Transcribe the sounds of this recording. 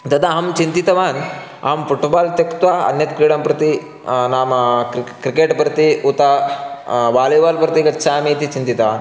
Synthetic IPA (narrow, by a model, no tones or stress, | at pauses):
t̪ɐt̪aɦamt͡ɕint̪it̪ɐʋan | a̰mfuʈbaːlt̪ekt̪ʋaɐ̰njɐt̪kɾiɽampɾət̪i | namkɾikeʈpɾət̪iut̪a | ʋaleʋalpɾət̪ikɐtːt͡ʃʰaːmit̪it͡ɕint̪it̪ɐʋa̰n